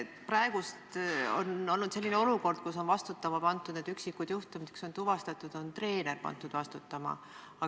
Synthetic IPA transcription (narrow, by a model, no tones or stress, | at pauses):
prɑeɡ̥ust̪o̰no̞lnud̪se̞lːineo̞luko̞rd̪̥̚kus̬o̞nvɑst̪ut̪ːˑɑmɑpɑnt̪ːˑud̪ned̪yksikːud̪̥juht̪umiekso̞nt̪uvɑst̪ɑt̪ːˑud̪̥o̞nt̪re̞ːne̞rpɑ̰nt̪ːˑud̪̥vɑst̪ut̪ːˑɑmɑ̰ | ɑ